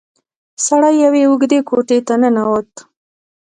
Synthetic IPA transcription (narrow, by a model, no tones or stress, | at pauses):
saɽajːaweʊɡd̪ekoʈet̪anənawət̪